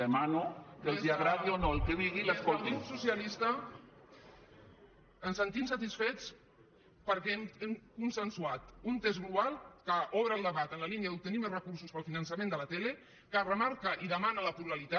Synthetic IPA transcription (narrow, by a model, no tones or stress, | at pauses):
emanokelˠd̪iaɣɾaðionoelkeβiɣiləskolt̪imsusialist̪ə | ənsənt̪imsat̪isfet͡s | pəɾkɛememkunsənsuat̪unt̪ezɣluβalˠkaʔɔβɾəlˠd̪əβat̪ənlaliniaðup̚t̪ənimərəkuɾsuspəlˠfinənsamẽnd̪əlat̪ele | karəmaɾkəʔiðəmanaləpluɾalit̪a